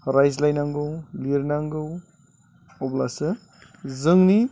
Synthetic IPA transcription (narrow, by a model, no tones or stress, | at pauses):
ɾajzlajnaŋɡɯwliɾnaŋɡɯw | ɔblasɯ | zɯŋni